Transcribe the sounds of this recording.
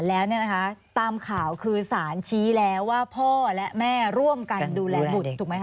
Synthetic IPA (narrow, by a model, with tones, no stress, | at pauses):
lɛː˦˥wni˥˩ɐna˦˥kʰa˦˥t̪aː˧mkʰaː˨˩˦wkʰɯː˧saː˩˦nt͡ɕʰiː˦˥lɛː˦˥wːaː˥˩pʰɔː˥˩lɛ˦˥ʔmɛː˥˩ɾu˥˩əmka˧nduː˧lɛː˨˧bu˨˩t̪ʰːuː˨˩ma˦˥k